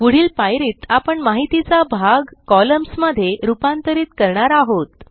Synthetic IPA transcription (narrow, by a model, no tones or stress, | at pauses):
kuɽ̤iːlpajɾiːt̪apəɳmaɦit̪it͡sabʱaɡkɔləmsməd̪ʱːjeɾupant̪əɾiːt̪kəɾɳaɾaɦot̪